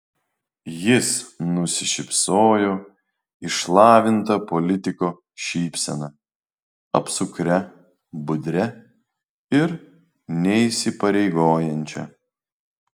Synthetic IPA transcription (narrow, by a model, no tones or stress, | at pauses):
jɪsnʊsʲɪʃʲɪpsoːjoː | ɪʃlˠɑːʋʲɪnt̪ɐpɔlʲɪt̪ʲɪkoː | ʃʲiːpʲsʲɛnɐ | ɐ̰psʊkɾʲɛ | bʊd̪ʲɾʲɛ | ɪɾ | nʲɛiˑsʲɪpɐɾʲɛɪɡoːjɛnʲt͡ʃʲɛ̰